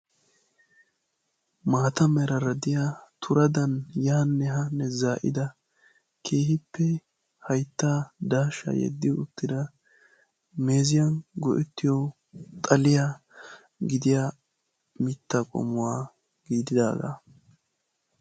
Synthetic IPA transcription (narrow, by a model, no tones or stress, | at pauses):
maːt̪ɐmɛɾɐɾɐd̪ɪjat̪ʰʊɾɐd̪ɐnjaːnːɛɦɐnːɛzaːʔɪ̰d̪ɐ | kʰe̞ːhɪpːɛ | hɐjt̪ːaːd̪aːʃɐ̰jɛ̰d̪ːɪʊt̪ːɪd̪ɐ | me̞ːzɪjɐnɡɔ̰ʔɛt̪ːɪjɔ | t̪ʼɐlɪja | ɡɪd̪ɪja | mɪt̪ːɐkʼɔ̰mʊwaː | ɡ̥iːd̪ɪd̪a̰ːɡa̰